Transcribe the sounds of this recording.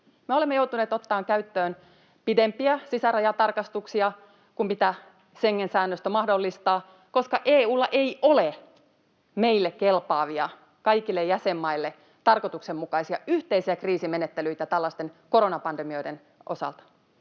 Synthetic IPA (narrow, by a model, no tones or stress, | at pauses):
meolemːejouwt̪uneːt̪ot̪ːɑːŋkæyt̪ːøːn | pidempiæsisærɑjɑt̪ɑrkɑst̪uksiɑ | kumpit̪æ | seŋːensæːnːøst̪æmɑhdolːist̪ɑː | ko̞skɑʔeːuːlːɑʔeiʔole | meilːekkelpɑːʋiɑ | kɑikilːejjæsemːɑilːe | t̪ɑrkot̪uksemmukɑisiɑyht̪eisiækriːsimenet̪ːelyit̪æt̪ælːɑst̪enkoɾo̞nɑpɑndemio̞iden | ʔo̞̰sɑ̰lt̪ɑ̥